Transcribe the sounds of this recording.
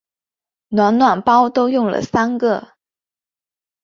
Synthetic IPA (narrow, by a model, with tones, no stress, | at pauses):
nwa˧˥nnwa˥˩npɑ˥ʊt̪o˥ʊjʊ˥˩ŋlə̰˨˩sa˥nɡə˥˧